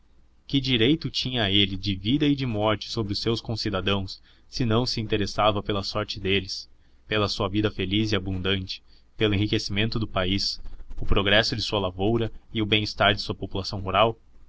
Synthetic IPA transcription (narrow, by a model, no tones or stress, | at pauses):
kɪd͡ʒiɾejt̪ʊt͡ʃĩɲɐelɪd͡ʒɪvid̪ɐɪd͡ʒɪmɔɾt͡ʃɪ̥sobɾɪʊsewskõsid̪ad̪ɐ̃w̃sː | ɪnɐ̃w̃sɪĩnt̪eɾesavɐpelɐsɔɾt͡ʃɪd̪elɪs | pelɐsuɐvid̪ɐfelizɪabũnd̪ɐ̃nt͡ʃɪ̥ | pelʊẽɦikesimẽnt̪ʊd̪ʊpaisʊpɾoɡɾɛsʊd͡ʒɪsuɐlavowɾɐɪʊbẽj̃ɪst̪aɾd͡ʒɪsuɐpopulasɐ̃w̃ɦuɾaw